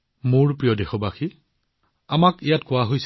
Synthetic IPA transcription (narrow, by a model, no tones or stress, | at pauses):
muɹpɹijɔdexɔbaxi | amakijatkʊaɦojs